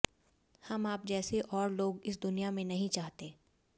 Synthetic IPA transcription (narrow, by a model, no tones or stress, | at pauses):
hɐmaːp̚d͡ʒɛːseʔɔːɾloːɡɪs̬d̪ʊnijamẽnɐɦĩt͡ʃaːɦt̪eː